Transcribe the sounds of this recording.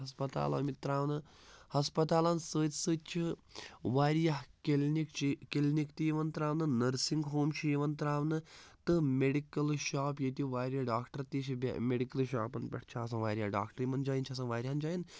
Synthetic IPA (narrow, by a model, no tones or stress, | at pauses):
ɐspɐt̪a̰ːlɐ̰ːmit̪ɾaːʋnɨ | hɐspɐt̪aːlaːnsəːtʲsɨːt͡ʃʰiʋaːɾjɐɦkelnikt͡ʃʰkelnikt̪ijʋɐnt̪ɾaːʋnɨnɐɾsiŋɡɦoːmʃʰijʋɐnt̪ɾaːʋnɨt̪ɨmeɖikɐlʃaːpjet̪iʋaːɾʲjaːɖaːkʈɐɾt̪it͡ʃʰib̰ʲmeɖikɐlʃa̰ːpɐnpʲɐ̰ʈʰt͡ʃʰaːs̬ɐ̃ːʋaːɾʲjaːɖa̰ːkʈɐɾimɐnd͡ʒaːjnt͡ʃʰɐs̬ɐ̃nʋaːɾʲjand͡ʒaːjin